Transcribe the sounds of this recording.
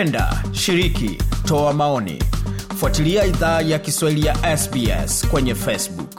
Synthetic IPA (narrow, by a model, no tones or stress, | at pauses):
ɛnda̰ʃiɾikḭtɔamaɔnḭfuatiliaiðaːjakiswahilijaʔɛsbiɛ̰skwɛɲɛfɛsbuk